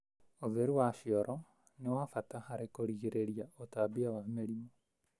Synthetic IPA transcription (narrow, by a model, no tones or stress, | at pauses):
oðeɾuwaʃiɔɾʔɔ | newafatahaɾekoɾiɣeɾeɾiaotabiawameɾimo